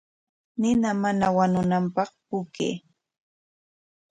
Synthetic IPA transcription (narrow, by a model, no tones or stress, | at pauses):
nɪnamanawanʊnampɑχpʊkḛː